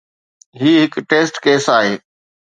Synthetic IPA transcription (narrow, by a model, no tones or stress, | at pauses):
ɦiːɦɪkʈeːsʈkeːsaːɦeː